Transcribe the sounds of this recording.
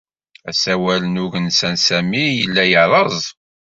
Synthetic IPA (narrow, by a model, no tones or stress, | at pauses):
æsæwælənʊʝənsænsæmijəlːæjəʕɾˤɑzˤ